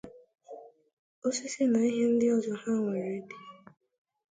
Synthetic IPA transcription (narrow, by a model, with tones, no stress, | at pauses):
o˦si˦sɪ˦na˨i˦ɦe˦n̩˦dɪ˦ɔ˦zɔ˨ha˦ŋʷe˨ɾe˦de˨˦